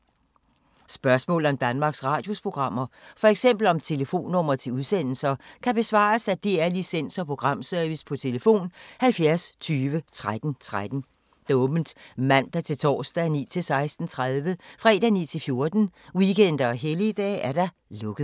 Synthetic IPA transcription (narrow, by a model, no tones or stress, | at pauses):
sb̥ɶɐsmɔ̰̽ːl̩ˠɒ̽md̥ænmɑ̈ːɡ̥sʁɑ̈ːd̥jo̝spʰo̝ɡ̥ʁɑ̈m̰ɐfɒ̽eɡ̥sem̰b̥l̩ɒ̽mt͡sʰe̝ləfo̝̰ːnːɔ̽m̰ɐt͡sʰe̝luðˠsen̰l̩sɐkʰæb̥e̝sʋɑ̰̈ːɐsæd̥eæɐlisen̰sɒ̽pʰʁo̝ɡ̥ʁɑ̈m̰søɐʋispʰɒ̽t͡sʰe̝ləfo̝̰ːnhælfjæɐst͡sʰyːʋət͡sʰʁad̥n̩t͡sʰʁad̥n̩ | d̥æɔ̽ːb̥n̩d̥mæn̰d̥æt͡sʰe̝lt͡sʰɒ̰ːsd̥ænḭːt͡sʰe̝lsɑ̈ɪsd̥n̩t͡sʰʁaðˠʋəfʁɛ̰d̥æniːt͡sʰe̝lfjo̝ɐd̥n̩wikʰen̰d̥ɐːɦelid̥ɛ̰ːæɐɾ̥ɑ̈ | lɔ̽ɡ̥əð̩ˠ